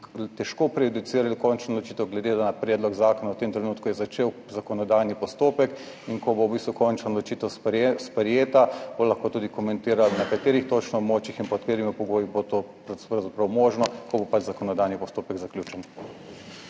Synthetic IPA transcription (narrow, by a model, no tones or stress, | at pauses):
t̪ɛʃkoːpɾɛjud̪it̪siːɾalikɔnt͡ʃnɔlɔt͡ʃiːt̪ɛwɡlɛd̪ed̪anapɾɛd̪lɔɡzaːkɔnawt̪emt̪ɾɛnuːt̪kujɛzat͡ʃeːw | zakɔnɔd̪ajnipɔst̪oːpɛk | iŋkɔbowbist̪ʋukɔnt͡ʃnalɔt͡ʃiːt̪ɛwsspɾɛjeːt̪ab̥olɐxkoːt̪uːd̪ikɔmɛ̃nt̪iːɾalnɐkat̪eːɾixt̪ot͡ʃnɔɔbmoːt͡ʃixinpɔt̪peːɾimipɔɡoːjibot̪opɾpɾawzapɾɐwmoːʒnɔkɔbopad͡ʒzakɔnɔd̪ajnipɔst̪oːpɛɡzaklʲjuːt͡ʃɛn